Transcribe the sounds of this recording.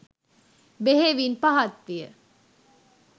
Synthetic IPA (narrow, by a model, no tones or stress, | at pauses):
beɦeʋinpaɦɐt̪ʋijə